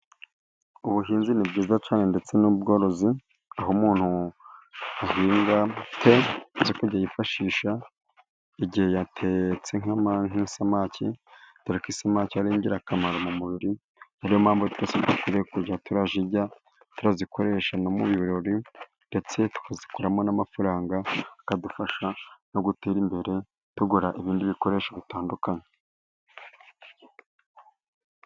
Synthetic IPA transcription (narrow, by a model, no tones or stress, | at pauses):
uβuɦiːnzinibɟiːzat͡ʃaːne̞nde̞t͡se̞nubɡo̞ːɾo̞zi | aɦomuːn̥hu | ahiːŋɡatʰezokuɾɟajifaʃiːʃa | iɟihe̞jatʰe̞t͡se̞ŋ̥amaŋisamacʰitaɾakisamaciaɾiːɲɟiɾakamaɾomumuβiɾi | aɾijo̞maːmbotu̥ɾasedukiɾekuɾɟatuɾaʒiɾɟa | tuɾazikʰo̞ɾe̞ʃano̞muβjuuɾoɾi | nde̞t͡se̞tu̥kazi̥kuɾamo̞namafuɾaːŋɡakadufaʃano̞ɡuteːɾimbe̞ɾe̞ | tuɡuɾaʔiβiːndiβiko̞ɾe̞ːʃaβitaːndukane